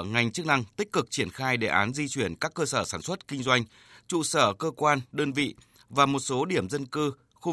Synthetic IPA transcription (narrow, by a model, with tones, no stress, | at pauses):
ŋa˨˩jŋ̟t͡ɕɨ˦˥k̚na˧ŋt̪ï˦˥k̟̚kɨ˨˩k̚t͡ɕi˧˩ənxaː˧jɗe˧˩ʔaː˨˦nzi˧t͡ɕwi˧˩ənkaː˦˥kːəː˧səː˧˩saː˧˩nswə˦˥t̚kï˧ŋ̟zwa˧jŋ̟ | t͡ɕṵ˧˨səː˧˩kəː˧kwaː˧nɗəː˧nvḭ˧˨ | vaː˨˩mo˨˩t̚so˨˦ɗi˧˩əmzə˧nkɨ˧ | xu˧